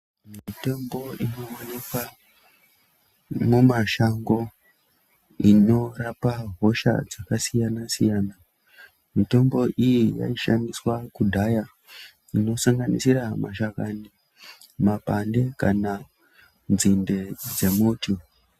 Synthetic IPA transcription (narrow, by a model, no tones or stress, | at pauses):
mito̞mbo̞ino̞onekwa | mumaʃaŋɡo̞ | ino̞rapaɦo̞ʃa̰d͡zakasijanasijaːna | mito̞mbo̞ʔijija̰iʃa̰miswakudʱaja | ino̞saŋɡanḭsiɾamaʃakani | mapande̞ka̰na | nzinde̞d͡ze̞muti